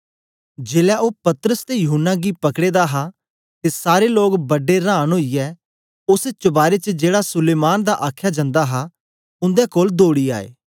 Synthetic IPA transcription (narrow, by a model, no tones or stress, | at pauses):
d͡ʒeːlɛʔoːpɐt̪əɾəst̪ejʊɦʊnːaɡiːpɐkɽeːd̪aɦa | t̪eːsaːɾeloːɡbəɖeɾãːənɦoːijɛː | ʊst͡ʃəbaːɾet͡ʃəd͡ʒeːɽasʊleːmaːnd̪aʔaːkʰːjad͡ʒɐ̃nd̪aɦa | ʊ̃nd̪ɛkoːld̪oːɽiːa̰ːḛː